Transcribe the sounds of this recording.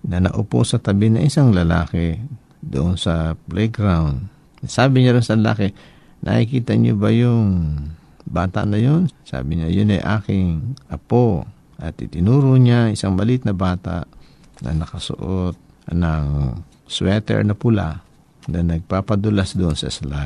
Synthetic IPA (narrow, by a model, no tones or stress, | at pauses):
nɐnɐ̰ʔʊpo̰sɐt̪ɐbɪnɐŋʔɪsaŋlɐla̰ːkɛ | d̪ʊʔonsɐplɛɡɾawnd̪̚ | saːbɪɲaɾonsɐlɐla̰ːkɛ | nʔɐ̰hɪkiːt̪ɐɲo̰bɐjʊŋ | baːt̪a̰ʔnɐjonsa̰ːbɪɲajʊnɐ̰jʔaːkɪŋʔɐpo | ʔɐt̪ʔɪt̪ɪnuːɾoɲaŋɪsaŋbɐlit̪̚nɐbaːt̪a̰ʔ | nʔɐ̰nɐkɐsʊ̰ʔot̪̚ | nɐŋ | swɛt̪ɛ̰ɹnɐpʊla̰ | nɐnɐɡ̚papɐd̪ɐlasd̪oʔonsɐsla